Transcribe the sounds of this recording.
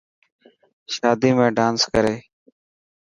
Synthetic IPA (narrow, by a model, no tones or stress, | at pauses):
ʃaːd̪iːmẽːɖaːnskəɾeː